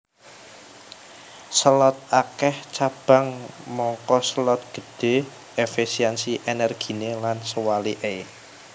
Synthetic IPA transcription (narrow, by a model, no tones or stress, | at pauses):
səlɔt̪̚akɛht͡ʃab̥a̤ŋmɔŋkɔsəlɔt̪̚ɡ̥ə̤d̥e̤ | ʔefisiɛnsiʔenɛrɡ̥i̤nelansəwaliʔe